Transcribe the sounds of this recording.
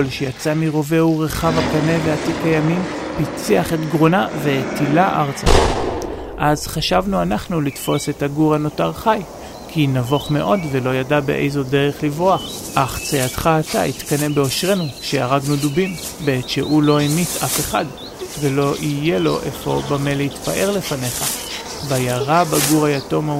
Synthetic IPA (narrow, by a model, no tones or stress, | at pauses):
lʃejat͡samiʁo̞ve̞uʁeχavakane̞veatikajamim | pit͡siaχe̞tɡʁonave̞tilaʔaʁt͡sa̰ | ʔazχaʃavnuanaχnulitfo̞se̞taɡuʁano̞taʁχaj | kʰinavo̞χme̞̰ʔo̞dve̞lo̞jadabe̞̰ʔḛjzo̞de̞ʁeχlivʁoaχ | ʔaχt͡seatχaːta̰ʔit̪kane̞be̞o̞ʃʁe̞nuʃejaʁaɡnudubim | beetʃeʔulo̞enitʰafe̞χad | ve̞lo̞ʔije̞lo̞̰ʔe̞fo̞̰bame̞litpaʔeʁle̞fane̞χa | bajaʁabaɡuʁajato̞ma